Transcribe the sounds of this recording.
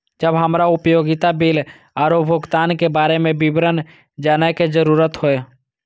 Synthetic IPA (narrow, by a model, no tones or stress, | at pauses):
d͡ʒəbɦəmɾaʊpjoːɡɪt̪abil | aːɾobʱʊɡt̪aːnkebaːɾemẽbɪbɾən | d͡ʒaːnaked͡ʒəɾuːɾət̪ɦoe